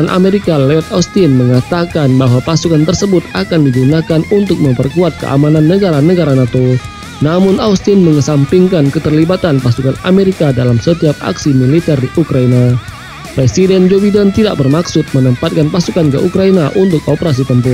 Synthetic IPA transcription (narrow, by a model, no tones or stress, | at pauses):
nʔa̰meɾikaleɔt̪̚aust̪inməŋat̪akanbaɦwapasukant̪ərsəbʊt̪akandiɡunakanunt̪ʊk̚məmpərkuat̪̚kə̰ʔa̰mananːəɡaɾanəɡaɾanat̪o | namʊnaust̪ɪnməŋəsampiŋkankət̪ərlibat̪anpasukana̰meɾikadalamsət̪iap̚a̰ksimilit̪ɛrdiʔukɾaina | pɾesidɛnd͡ʒobidənt̪ida̰ʔ̚bərmaksʊt̪̚mənəmpat̪̚kanpasukankə̰ʔukɾainaʔunt̪ʊkopəɾas̬it̪əmpu